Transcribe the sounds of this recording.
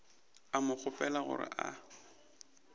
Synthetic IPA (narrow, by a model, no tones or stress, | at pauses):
amʊk͡xʰʊpʼɛlaɣʊ̰ɾɪ̰ʔa